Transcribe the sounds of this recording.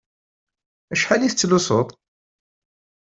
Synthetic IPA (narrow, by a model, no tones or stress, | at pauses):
æʃħaliθət͡sːlusˤot̪ˤ